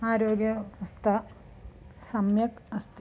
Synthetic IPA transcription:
aːɾoːɡjɐɐst̪ʰɐ | sɐmjɐkɐst̪

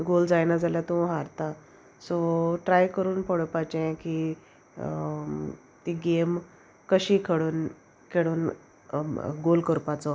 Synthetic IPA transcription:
ɡold͡zajnad͡zaljat̪ũɦaɾt̪a | sɔʈɾajkəɾuːnpəɽpat͡ɕɛ̃ki | t̪iɡem | kəɕiːkʰəɽuːn | kʰeɽuːn | ɡolkəɾpat͡sɔ

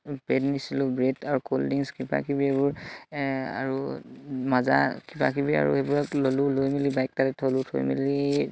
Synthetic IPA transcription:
bɛdnisilʊbɹɛdaɹukoldiŋskiba̰kibiebʊɹ | a̰ɹumaza̰kiba̰kibia̰ɹṵebuɹaklolʊlojmilibajk̚tatɛtʰɔlutʰo̰jmḭli

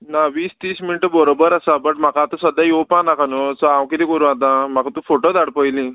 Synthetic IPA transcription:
naʋiːst̪iːsminiʈəbəɾobəɾasabəʈm̤akat̪ɔsəd̪ʱjajowpãnakʰanot͡sɔawkiɾikəɾũat̪̬ãm̤akat̪ũfoʈod̪aɽpəjli

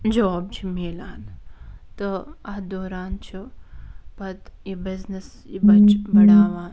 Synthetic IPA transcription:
d͡ʒooːb̚d͡ʒʰimeːlaːnt̪ɨɐd̪oːɾaːnt͡ʃʰu | pɐt̪jibiznis | jibɐt͡ʃbɐɽaːʋaːn

